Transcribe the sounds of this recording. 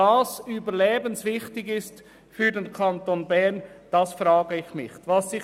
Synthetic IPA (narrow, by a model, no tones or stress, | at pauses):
ɑːsyːbəɾleːbənsʋɪxtɪɡɪst | fyːɾdenkʰɑntonbɛɾnd̥ɑsfɾɑːɡəɪçmɪxʋɑsːɪ